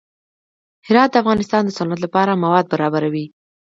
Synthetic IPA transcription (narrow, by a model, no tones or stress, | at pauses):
hɪɾɑt̪̚d̪əafɣɑnɪst̪ɑnd̪əsʊnat̪lapɑɾamawɑd̪̚baɾɑbaɾawi